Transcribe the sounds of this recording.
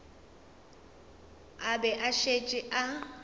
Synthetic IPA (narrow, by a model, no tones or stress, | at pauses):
abɛʔaʃet͡ʃʼɪʔa